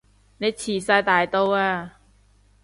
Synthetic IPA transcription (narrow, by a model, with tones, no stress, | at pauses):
ne˨˧˥jt͡ɕʰiː˨˩saː˧jt̪aː˨jt̪o˧waː˧